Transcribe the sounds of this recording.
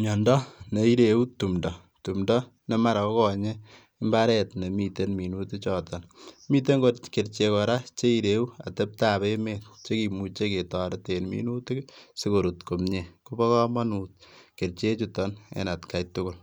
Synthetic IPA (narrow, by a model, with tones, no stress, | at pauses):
mɔ˨ndɔ˦ne˨i˦ɾeu˦tumdɔ˨ | tu˨mdɔ˦ | ne˦ma˨ɾa˨kɔ˦kɔɲe˦ | ɪ˦mba˦ɾɛ˨tne˨mi˨te˦nmi˨nuti˦t͡ʃɔ˨tɔ˨nmi˦t̬e˦ŋɡotke˨ɾt͡ʃe˨kɔ˨ɾa˦t͡ʃe˦iɾeu˦a̰˨te˦p̚tabe˦me˨tt͡ʃe˦ki˨mu˨t͡ʃe˦ke˨tɔ˨ɾetenmḭ˦nu˦ti˦si˦ko˨ɾu˨tko˨mɲe˨ku˦bɔ˦kɔ˦ma˦nu˨t̚ke˨rt͡ʃe˦t͡ʃutɔnḛ˨na˨tka˨jtʊ˦kʊ˨l